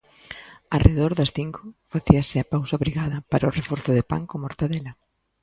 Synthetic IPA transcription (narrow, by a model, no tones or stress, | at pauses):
arʔḛðɔɾðɐsθiŋkʰʊfaθiɐsɪapawsɐβɾiɣaðɐpaɾaʊrefɔɾθʊðepa̰ŋkomoɾt̪aðelɐ